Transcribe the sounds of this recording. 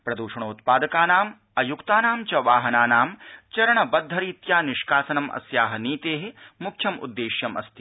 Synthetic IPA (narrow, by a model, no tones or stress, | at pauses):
pɾɐd̪uːʃɐɳ̃oːt̪̚paːd̪ɐkaːnaːm | ɐjukt̪aːnaːmt͡ʃɐʋaːɦɐnaːnaːmt͡ʃɐɾɐɳɐbɐd̪ʱːɐɾiːt̪jaːniʃkaːsɐnɐmʔɐ̰sjaːɦɐniːt̪eːɦemukʰjɐmṵd̪ːeːʃjɐmɐ̰st̪ʰi̥